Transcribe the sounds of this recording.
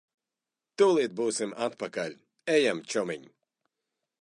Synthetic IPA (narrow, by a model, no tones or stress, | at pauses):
t̪uːlˠit̪̚buːsimat̪̚pakalʲ | ɛjamt͡ʃɔmiɲʲ